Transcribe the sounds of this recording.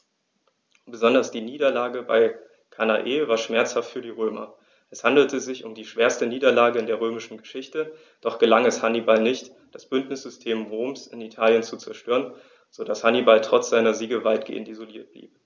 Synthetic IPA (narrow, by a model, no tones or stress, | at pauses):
b̥əzɔndɐsd̥iːniːdɐlaːɡəba̰ɪ | kʰanaʔeːvaːɐʃmɛɐt͡shaftfyːɐdiːʁøːmɐ̰ | ʔɛshandl̩tʰəzɪçʊmdiːʃv̥eːɐstəniːdɐlaːɡəɪndeːɐʁ̞øːmɪʃn̩ɡəʃɪçtə | d̥ɔχɡ̥əlaŋɛshanibalnɪçt | d̥asb̥ʏntnɪsz̥ʏstʰeːmʁoːmsɪnitʰaːljənt͡sut͡sɛɐʃtøːʁən | z̥odashanibaltʁ̥ɔt͡sz̥aɪnɐziːɡəvaɪtɡ̥ḛːəntizoliːɐt̚b̥lḭːp̚